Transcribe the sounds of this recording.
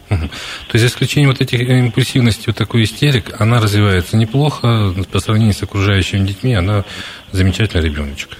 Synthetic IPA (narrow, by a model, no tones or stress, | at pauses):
m̩ɦm̩t̪o̞jsʲzəɪsklʲʉt͡ɕenʲjəvot̪ɛtʲɪxɪmpʊlʲsʲivnəsʲtʲɪjvot̪ːɐko̞jɪsʲtʲeɾʲɪkɐnaɾəzvʲɪvajɪt̪sənʲɪplˠo̞xəpəsɾɐvnʲenʲjʊsəkɾʊʐajʉɕːɪmʲɪdʲɪtʲmʲiɐna | zəmʲɪt͡ɕætʲɪlʲnɾʲɪbʲo̞nət͡ɕɪ̥k